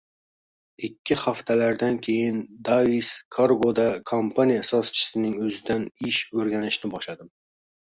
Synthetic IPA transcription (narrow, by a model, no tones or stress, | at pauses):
ɪkʲʰːɪhaft̪ʰalaɾd̪ankʲʰe̞jɪnd̪aiskʰoɾɡod̪akʰompʰanijasɒst͡ʃʰɪ̥sɪnɪŋɵzɪd̪anɪʃɵɾɡʲanɪʃnɪbɒʃlad̪ɪm